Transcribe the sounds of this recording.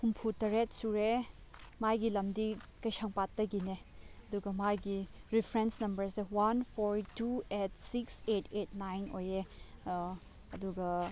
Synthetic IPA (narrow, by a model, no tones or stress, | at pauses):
humpʰutɐɾet̚suɾe | majɡilɐmdikɐjsaŋpatːɐɡineɐduɡɐmajɡiɾipʰɾensnɐmbɐɾsewanpʰoɾtuet̚siksetʰetʰnajno̰je | ɐduɡɐ